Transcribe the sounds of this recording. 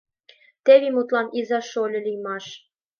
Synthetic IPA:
t̪eβʲimut̪lˠɑnizɑʃolʲɤ̆lʲijmɑʃ

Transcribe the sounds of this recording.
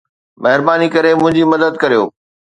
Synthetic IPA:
mɐɦɪɾbaːnikɐɾemʊ̃ɦɪ̃ɲd͡ʑimɐd̪əd̪kɐɾijoː

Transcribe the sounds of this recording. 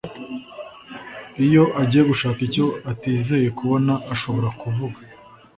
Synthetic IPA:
ijo̞ʔaɟiːjeɡuʃaːkico̞atiːze̞je̞kuβo̞naʔaʃo̞βo̞ɾakuvuɡa

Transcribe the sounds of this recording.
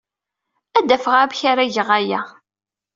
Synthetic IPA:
æd̪ːæfəʁabçaɾæʝəʁæjæ

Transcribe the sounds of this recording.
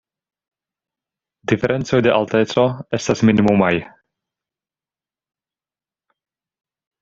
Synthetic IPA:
dife̞ɾʔe̞nt͡so̞jde̞ʔalte̞t͡so̞e̞stasminimumaj

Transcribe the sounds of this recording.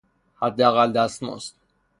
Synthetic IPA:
hæd̪ːeæɣæld̪æst̪mo̰st̪

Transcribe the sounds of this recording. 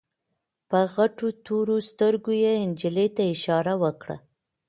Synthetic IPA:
pəɣaʈot̪oɾost̪əɾɡojeɪnd͡ʒɪlet̪aɪʃɑɾawəkɽa̰

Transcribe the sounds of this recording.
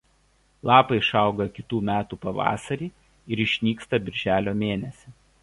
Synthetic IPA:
lˠɑːpɐɪʃɑˑʊɡɐkʲɪt̪uːmʲæːt̪uːpɐʋɑ̰ːsɐɾʲiː | ɪɾɪʃʲnʲiːkst̪ɐbʲɪɾʲʒʲæːlʲoːmʲeːnʲɛsʲɪ

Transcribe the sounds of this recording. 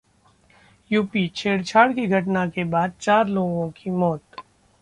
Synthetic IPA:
juːpit͡ʃʰeːɽt͡ʃʰaːɽkiɡʱɐʈnakebaːd̪̚t͡ʃaːɾloːɡõkimɔːt̪

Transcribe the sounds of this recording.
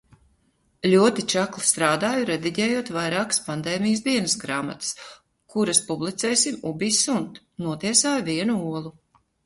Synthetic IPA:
lʲuɔt̪it͡ʃaklˠist̪ɾaːd̪aːjuɾɛd̪iɟɛːjuɔt̪vajɾaːkspand̪eːmijsd̪iɛnɨsɡɾaːma̰t̪ɨ̥s | kuɾaspublˠit̪sɛːjsimubisunt̪ | nuɔt̪iɛsaːjviɛnuuɔlˠu

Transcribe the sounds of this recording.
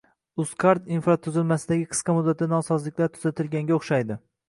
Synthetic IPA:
ʊskʰaɾt̪infɾat̪ʰʊzɪlˠmasɪd̪aɡʲɪqʰɨ̥sqɑmʊd̪ːat̪anɒsɒzlɪkʲlaɾt̪ʰʊ̥z̥at̪ʰɪlɡʲaŋɡʲaoχʃajd̪ɪ

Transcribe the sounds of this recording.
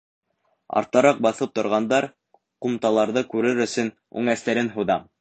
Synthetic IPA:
ɑ̰ɾt̪ɑɾɑq̚bɑθɤp̚t̪ŏɾʁɑnd̪ɑɾ | qumt̪ɑlˠɑɾðɤkʉɾɘɾɵ̆sɵn | ʉ̰ŋæst̪æɾɘnɦuðɑ

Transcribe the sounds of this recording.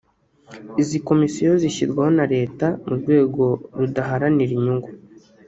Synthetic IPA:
iziko̞misijo̞ziçizɡwaho̞naɾe̞ːtamuɾɡwe̞ːɡo̞ɾudaɦaɾaniɾiɲuŋɡu

